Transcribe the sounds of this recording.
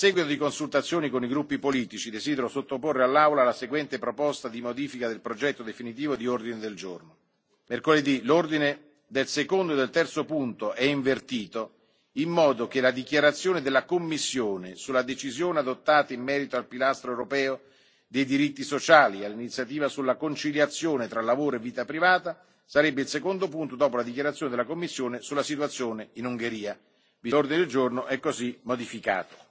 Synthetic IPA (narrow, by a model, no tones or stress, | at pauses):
sɛɡwit̪od̪ikonsult̪at̪sːjoːnikoniɡɾupːipoliːt̪it͡ʃid̪ezid̪eɾosot̪ːoporːealːawlalaseɡwɛnt̪epɾopɔst̪ad̪imod̪iːfikad̪elpɾod͡ʒɛt̪ːod̪efinit̪iːvod̪iord̪ined̪eld͡ʒorno | merkoled̪ilord̪ine | d̪elsekond̪oed̪elt̪ɛrt̪sopunt̪oʔɛiɱvert̪iːt̪o | imːɔːd̪okelad̪ikjaɾat̪sːjoːned̪elːakomːisːjoːnesulːad̪et͡ʃizjoːnead̪ot̪ːaːt̪aimːɛːɾit̪oalpilast̪ɾoewɾopɛːo | d̪ejd̪iɾit̪ːisot͡ʃaːlialːinit̪sːjat̪̬iːvasulːakont͡ʃiljat̪sːjoːnet̪ɾalːavoːɾoevːiːt̪apɾivaːt̪a | saɾɛbːeɪilsekond̪op̬unt̪od̪ɔːpolad̪ik̟jaɾat̪sjoːned̪elakomːisːjoːnesulːasit̪wat̪sːjoːneinuŋɡeɾiːa | vilord̪ined̪eld͡ʒornoʔɛkːozimːod̪ifika̰ːt̪o̥